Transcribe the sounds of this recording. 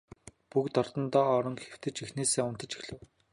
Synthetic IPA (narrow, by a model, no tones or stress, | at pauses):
pukt̪ɔrt̪ɞ̆nt̪ɔːɾɞ̆ŋkxew̥t̪ɘ̆t͡ɕixneːseːʊnt̪ə̆t͡ɕi̥xɮɘ̆w